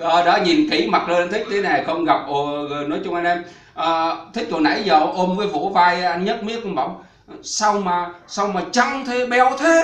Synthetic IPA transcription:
ʔəː˨˩ɗɔː˨˧˦ɲi˨˩nki˨˩˦ma˨˩t̚ləː˧na˧nt̪ʰï˦˥k̟̚t̪ʰe˨˦na˨˩xə˧wŋ͡mɣa˨˩p̚ʔo˨˩ɣɨ˨˩nɔ˨˦jt͡ɕʊ˧ŋ͡mʔa˧nʔɛ˧m | ʔəː˨˩t̪ʰï˦˥k̚t̪o˨˩na̰˧˥jzə̰˧˨ʔo˧mvəː˨˦jvṵ˧˥vaː˧jʔa˧jn̟ɲə˦˥t̚mi˦˥ək̚ʊ˧ŋ͡mɓa̰˧˩wŋ͡m | sa˧wmaː˨˩sa˧wmaː˨˩t͡ɕa˧ŋt̪ʰe˨˦ɓɛ˧wt̪ʰe˨˦

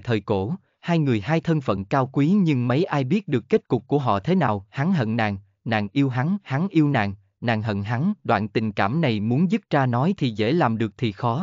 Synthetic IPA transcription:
jt̪ʰəː˨˩jko˧˩ | haː˧jŋɨ˨˩əjɦaː˧jt̪ʰə˧nfə̰˧˨nkaː˧wkwi˨˦ɲɨ˧ŋmə˨˦jʔaː˧jɓi˦˥ət̚ɗɨ˨˩əkːe˦˥t̚kʊ˨˩k͡p̚kːu˧˩əɦɔ̰˧˨t̪ʰe˨˦naː˨˩wha˨˦ŋɦə̰˧˨nna̰ː˧˨ŋ | na̰ː˧˨ŋʔi˧əwɦa˨˦ŋha˨˦ŋʔi˧əwna̰ː˧˨ŋ | na̰ː˧˨ŋɦə̰˧˨nɦa˨˦ŋɗwa̰ː˧˨nt̪ï˨˩ŋ̟kaː˧˩mna˨˩jmu˨˦ənzɨ˦˥p̚t͡ɕaː˧nɔ˨˦jt̪ʰi˨˩zḛ˧˥laː˨˩mɗɨ˨˩ək̚t̪ʰi˨˩xɔ˨˦

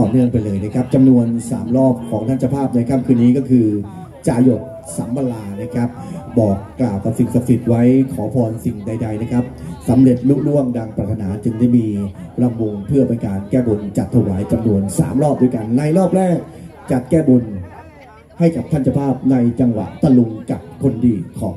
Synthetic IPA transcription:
t̪ɔː˨˩nɯ˥˩ə˧ŋpa˧jlɤː˧jna˦˥˩kʰa˦˥p̚t͡ɕa˧mnu˧ənsaː˩˦mɾɔː˥˩p̚kʰɔː˩˦ŋt̪ʰa˥˩nt͡ɕʰa˧pʰaː˥˩p̚na˧jkʰaː˦˥˩kʰɯː˧nːiː˦˥kɔː˥˩kʰɯː˧ | t͡ɕaː˧jo˨˩t̪̚ | saː˩˦mba˧laː˧na˦˥˩kʰɾa˦˥p̚bɔː˨˩kːlaː˨˩wka˨˩p̚si˨˩ŋsa˨˧˩p̚si˨˩t̪̚wa˦˥jkʰɔː˩˦pʰɔː˧nsi˨˩ŋda˧jda˧jna˦˥˩kʰa˦˥p̚sa˩˦mɾe˨˩t̪̚lu˦˥lu˥˩əŋdaː˧ŋpɾa˨˧˩t̪ʰːa˧naː˩˦t͡ɕɯ˧ŋda˥˩jmiː˧ | pɾa˧mːu˧ŋpʰɯ˥˩əpe˧nkaː˧nkɛː˥˩bu˧nt͡ɕa˨˩t̪ʰːa˧˩waː˩˦jt͡ɕa˧mnu˧ənsa̰ː˩˦mɾɔː˥˩p̚d̪uː˧˥˩jka˧nːa˧jlɔː˥˩p̚ɾɛː˥˩k̚ | t͡ɕa˨˩t̪̚kɛː˥˩bu˧n | ha˥˩jka˨˩p̚t̪ʰa˥˩nt͡ɕʰa˧pʰaː˥˩p̚na˧jt͡ɕa˧ŋwa̰˨˩ʔt̪a˧lu˧ŋka˨˩p̚kʰo˧ndiː˧kʰɔː˩˦

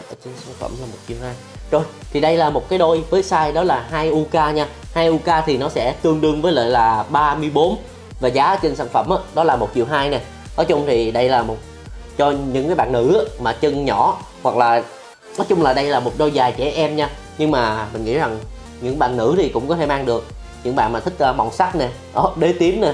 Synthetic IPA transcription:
ʔːt͡ɕə˧nsaː˧˥nfə̰˧˩mlaː˨˩mo˨˩t̚t͡ɕi˨˩wɦaː˧jzo˧˩jt̪ʰi˨˩ɗə˧jlaː˨˩mo˨˩kaː˨˦jɗo˧jvəː˨˦jsaː˧jɗɔ˨˦laː˨˩ɦaː˧jʔu˧kaː˧ɲaː˧ | haː˧jʔu˧kaː˧t̪ʰi˨˩nɔ˨˦sɛ̰˧˥t̪ɨ˧əŋɗɨ˧əŋvəː˨˦jlə̰ː˧˨jlaː˨˩ɓaː˧mɨ˧əjɓo˨˦n | vaː˨˩zaː˨˦˧t͡ɕə˧nsaː˧˩nfə̰˧˩mʔəː˨˦ɗɔ˨˦laː˨˩mo˨˩t̚t͡ɕi˨˩əwɦaː˧jnɛ˨˩ | nɔ˨˦t͡ɕʊ˧ŋ͡mt̪ʰi˨˩ɗə˧jlaː˨˩mo˨˩t̚ | t͡ɕɔ˧ɲɨ̰˧˥ŋkaː˨˦jɓa̰ː˧˨nːɨ̰˧˥aː˨˦maː˨˩t͡ɕə˧nɲɔ˧˩ | wa˨˩k̚laː˨˩ | nɔ˨˦jt͡ɕʊ˧ŋ͡mlaː˨˩ɗə˧jlaː˨˩mo˨˩t̚ɗo˧jzaː˨˩jt͡ɕɛ˧˩˦ʔɛ˧mɲaː˧ | ɲɨ˧ŋmaː˨˩mï˨˩ŋŋḭ˧˥za˨˩ŋ | ɲɨ̰˧˥ŋɓa̰ː˧˨nnɨ̰˧˥t̪ʰi˨˩kʊ̰˧˥ŋ͡mkɔ˨˦t̪ʰe˧˩˦maː˧ŋɗɨ˨˩ək̚ | ɲɨ̰˧˥ŋɓa̰ː˧˨nmaː˨˩t̪ʰk̟̚ʔəː˧ɓɔ̰˧˨ŋ͡msa˦˥k̚nɛ˨˩ | ɗɔ˨˦ɗe˨˦t̪i˨˦əmnɛ˨˩

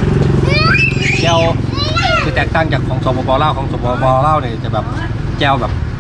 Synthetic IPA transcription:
t͡ɕɛː˧˥˨w | siː˧˩t̪ɛː˨˩k̚t̪aː˧˥˩ŋt͡ɕaː˨˩kʰːɔː˩˦ŋsoː˨˦pʰɔː˧bɔː˧˦laː˥˩wkʰɔː˩˦ŋsoː˨˦pʰɔː˧bɔː˧laː˥˩wniː˧˩˨t͡ɕa˨˩bɛː˨˩p̚ | t͡ɕɛː˧˩wbɛː˨˩p̚

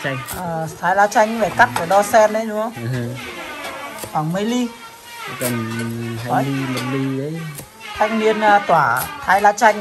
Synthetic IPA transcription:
ʔaː˨˩t̪ʰaː˨˧jlaː˧t͡ɕa˧jŋ̟ɨ˧vaː˨˧˩jka˦˥t̚ʔə˨˧˩ɗɔ˧sɛ˧nɗə˨˦t͡ɕʊ˧˦ŋ͡mhə˧wŋ͡m | xwaː˨˧˩ŋmə˧jli˧˨˩ | kə˨˩n˧wa˨˩i˨˩mo˨˩li˨˩ə˨˦j | t̪ʰa˦˥k̚mi˧ən˧t̪waː˧˩t̪ʰaː˧jlaː˧t͡ɕa˧jŋ

